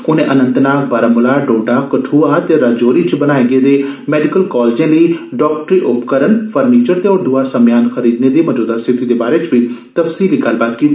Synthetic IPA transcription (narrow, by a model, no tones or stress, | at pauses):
ʊnẽːʔənə̃nt̪naːkbəɾəmʊlaːɖõːɖaːkəʈʰuːaːt̪eːɾad͡ʒoːɾiːt͡ʃbənaːeɡeːd̪eːmɛːɖɪkəlkɔːld͡ʒãːliːɖɔːk̚ʈɾiːʔʊpkəɾənpʰəɾniːt͡ʃəɾt̪eːɔːɾd̪uaːsəmjaːnxəɾiːd̪neːd̪eːməd͡ʒoːd̪aːsɪt̪iːd̪eːbaːɾeːt͡ʃbiːt̪əfsiːliːɡəlbaːt̪kiːt̪i